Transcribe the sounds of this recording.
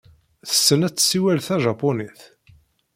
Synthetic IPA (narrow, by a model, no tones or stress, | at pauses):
θə̥sːənæt͡sːsːiwælθæʒɑpːoniθ